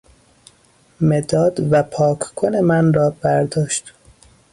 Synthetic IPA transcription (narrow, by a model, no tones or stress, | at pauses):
me̞d̪ɒːd̪væpʰɒːkʰkʰone̞mænrɒːbæɾd̪ɒːʃt̪